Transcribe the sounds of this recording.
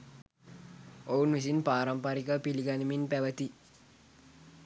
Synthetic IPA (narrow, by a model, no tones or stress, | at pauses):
ounʋis̬inpaːɾɐmpaɾikəpiliɡaniminpæʋət̪i